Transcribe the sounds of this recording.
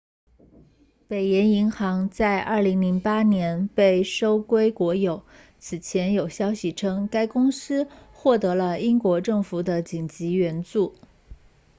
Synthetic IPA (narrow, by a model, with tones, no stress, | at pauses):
pe˨˩ɪjɛ˧˥ni˧˥ŋxɑ˧˥ŋt͡sa˥˧ɪʔə˞˥˩li˧˥ŋli˧˥ŋpa˥njɛ˧˥npe˥˩ɪʂo˥ʊkwe˥ɪkwɔ˧˥jo˨˩˦ʊ | t͡sʰɹ̩˨˩t͡ɕʰjɛ˧˥njo˨˩ʊɕjɑ˥ʊɕi˨˩ʈ͡ʂʰɤ˥ŋka˥ɪkʊ˥ŋsɹ̩˥xwɔ˥˩t̪ɤ˧˥lə˧i˥ŋkwɔ˧˥ʈ͡ʂɤ˥˩ŋfu˨˩d̪ə˦t͡ɕi˨˩ŋt͡ɕi˧˥ɥɛ˧˥nt͡su˥˩